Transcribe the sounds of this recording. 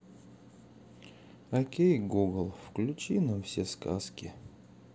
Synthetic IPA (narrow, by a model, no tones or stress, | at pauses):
ɐkʲejɡuɡəlˠfklʲʉt͡ɕinɐfsʲeska̰skʲɪ